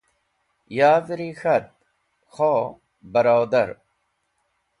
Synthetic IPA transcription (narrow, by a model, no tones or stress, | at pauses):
jaːvɾixɐt̪̚ | xoː | bɐɾoːd̪ɐɾ